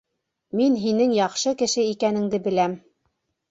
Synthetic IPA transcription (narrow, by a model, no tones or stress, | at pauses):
minɦinɘŋjɑχʃɤkɘ̆ʃɘikænɘ̆ŋd̪ɘbɘ̆læm